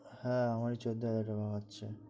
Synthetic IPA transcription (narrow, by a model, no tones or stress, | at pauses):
hɛ̃amaɾit͡ɕod̪oad̪aʈabʱaɡatːɕʰe